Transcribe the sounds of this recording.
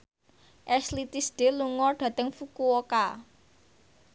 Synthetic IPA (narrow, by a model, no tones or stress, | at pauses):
ʔɛslit̪isd̥e̤luŋɔrɖ̥ä̤t̪əŋfukuoka